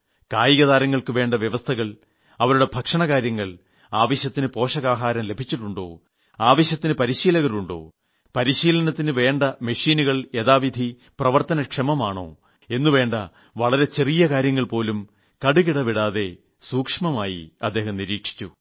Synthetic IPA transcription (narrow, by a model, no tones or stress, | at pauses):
kaːjiɣɐðaːɾɐŋːɐɭkɨʋe̞ːɳɖɐʋjeʋɐst̪ʰɐɣɐɭ | ɐʋɐɾuɽe̞bʱɐkʂɐɳɐɣaːɾjɐŋːɐɭ | aːʋɐɕjɐt̪ːinɨpo̞ːʂɐɣaːɦaːɾɐmle̞bʱit͡ɕːiʈːuɳɖo̞̰ː | aːʋɐɕjɐt̪ːinɨpɐɾiɕiːlɐɣɐɾuɳɖo̞̰ː | pɐɾiɕiːlɐnɐt̪ːinɨʋe̞ːɳɖɐmeʂiːnuɣɐɭe̞ðaːʋid̪ʱi | prɐʋɐrt̪ɐnɐkʂɐmɐmaːɳo̞̰ː | e̞nːuʋe̞ːɳɖɐ | ʋɐɭɐɾe̞t͡ɕe̞rijɐkaːɾjɐŋːɐɭpo̞ːlum | kɐɽuɣiɽɐʋiɽaːðe̞ | suːkʂmɐmaːjḭɐd̪ːeːhɐmniɾiːkʂi̥t͡ɕːu